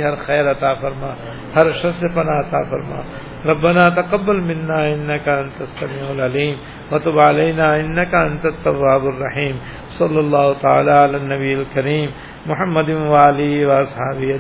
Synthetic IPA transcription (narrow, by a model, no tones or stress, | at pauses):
ɦɐɾxɛːɾɐt̪aːfɐɾmaː | hɐɾʃɐsepɐnaːɐt̪a̰ːfɐ̰ɾma̰ː | ɾɐbːɐnaːt̪ɐqɐbːɐlmɪ̃nːaːɪnːɐkɐɐ̃nt̪ɐsːɐmiːʕʊlɐliːm | wɐt̪ʊbʕalejnaːɪnːɐkɐɐ̃nt̪ɐt̪ːɐwːaːbʊrːɐħiːm | sɐlːɐlːaːɦʊt̪ɐa̰ːlaːɐlaːnːɐbijɐlkɐɾiːmː | ʊħɐmːɐd̪ɪnwaːliwɐɐshaːbiɐ